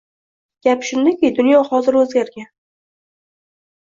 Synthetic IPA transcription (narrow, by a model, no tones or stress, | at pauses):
ɡ̥ʲapʃʊnd̪akʲejd̪ʊnjɒhɒzɪɾɵzɡʲaɾɡʲan